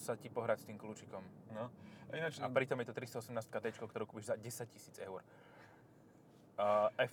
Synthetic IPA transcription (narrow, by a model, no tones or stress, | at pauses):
sacipɔɦɾacst̪iːmkluːt͡ʃikɔmnɔɛaapɾit̪ɔmjɛt̪ɔt̪ɾist̪ɔɔsɛmnaːst̪̚kad̪ɛːt͡ʃkɔkt̪ɔɾuːkupiʒzaɟɛsac̚cisiːd͡zɛʊɾ | ʔɛ